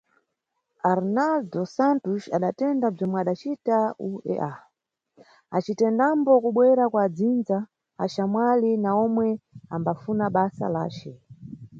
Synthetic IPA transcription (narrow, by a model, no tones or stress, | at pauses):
aɾnaldɔsantuʃaɗatɛndab͡ʐɔmwɛaɗat͡ʃitauɛ̰ʔa | at͡ʃitɛndambɔkuɓwɛɾakwad͡zind͡za | a̰ʃamwalinaɔmwɛambafunaɓasa̰la̰ːt͡ʃɛ